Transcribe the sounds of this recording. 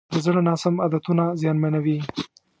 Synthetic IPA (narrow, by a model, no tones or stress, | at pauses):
d̪əzɽənɑsamad̪at̪unazjɑnmanawi